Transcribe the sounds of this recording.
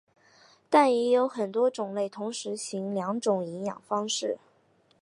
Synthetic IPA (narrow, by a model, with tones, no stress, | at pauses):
t̪a˥˩njɛ˧˥jo˧˥ʊxə˨˩nt̪wɔ˥ʈ͡ʂʊ˨˩ŋle˥˩ɪt̪ʰʊ˧˥ŋʂɻ̩˧˥ɕi˧˥ŋljɑ˧˥ŋʈ͡ʂʊ˨˩ŋi˧˥ŋjɑ̰˨˩ŋfɑ˥ŋʂɻ̩˥˩